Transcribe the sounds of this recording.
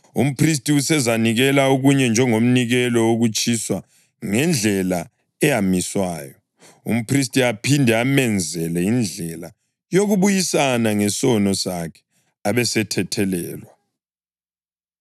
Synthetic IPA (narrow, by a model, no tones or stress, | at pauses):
ṵm̩pʰris̬tʼiusɛzaniɣɛlauɣuɲɛnd͡ʒʱɛŋom̩niɣɛlɔoɣut͡ʃʼiswa | ŋɛnd͡ɮʱɛla | ɛjamiswaːjɔ | ṵm̩pʰris̬tʼiapʰindʱɛamɛnd͡zʱɛlɛind͡ɮʱɛla | joɣuβujisanaŋɛsɔnɔsakʰɛ̥ | aβɛsɛtʰɛtʰɛlɛ̰ːlwa